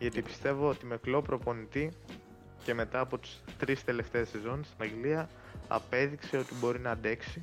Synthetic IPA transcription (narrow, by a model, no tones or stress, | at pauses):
ʝɐt̪ipi̥st̪e̞voot̪imeklo̞pɾo̞po̞nit̪i | ce̞me̞t̪ɐːpo̞t̪i̥st̪ɾist̪e̞le̞ft̪e̞ɐse̞zo̞nest̪inɐŋɡliɐ | ɐ̰pe̞ðikse̞o̞t̪ibo̞ɾinɐːd̪e̞ksi